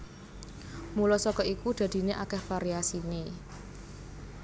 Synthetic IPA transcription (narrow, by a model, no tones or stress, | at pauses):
mulɔsɔkɔikud̪̥ä̤d̪̥i̤neʔakɛhfaɾiasine